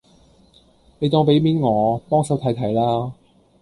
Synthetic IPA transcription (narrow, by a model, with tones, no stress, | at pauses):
ne˨˧jt̪ɔː˧ŋpe˨˥jmiː˨˥nŋɔː˨˧pɔː˥ŋsɐ˨˥wt̪ʰɐ˨˥jt̪ʰɐ˨˩jlaː˥